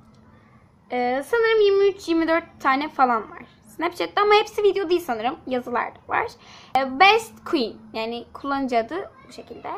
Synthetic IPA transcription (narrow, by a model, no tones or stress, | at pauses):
ɛːsanɯɾɯmjiɾmiyt͡ʃʰjiɾmid̪øɾt̪ʰːaːnɛfalˠanva̰ɾ̥snɛpt͡ʃʰɛt̪ːiamahepsivid̪ejo̞d̪ijisanɯɾɯmjazɯlˠa̰ɾd̪ava̰ɾ̥bɛst̪kʰuinjaːnɪkʰulˠːanɯd͡ʒad̪ɯbuʃe̞cʰilʲd̪ɛ